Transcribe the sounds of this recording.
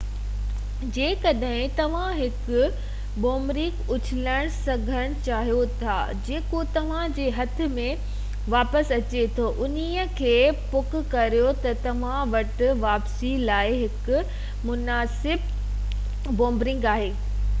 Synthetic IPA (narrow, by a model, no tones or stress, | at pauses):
d͡ʑeːkɐɗɦɪ̃t̪ɐʋ̤ãɦɪkʊ̆ | boːmbɾɪ̃kʊt͡ɕʰɪləɽ̃sɐɡʱəɽ̃t͡ɕaːɦijot̪ʰaː | d͡ʑeːkot̪ɐʋ̤ãd͡ʑeːɦɐt̪ʰɪ̆mẽ | ʋaːpəsɐt͡ɕet̪ʰoʔʊniəkʰeːpʊkʊ̆kɐɾijot̪ɐt̪ɐʋ̤ãʋɐʈʋaːpsilaːɪɦɪkʊ̆ | mʊnaːsɪb̚ | bõːmbɾɪ̃ŋɡaːɦeː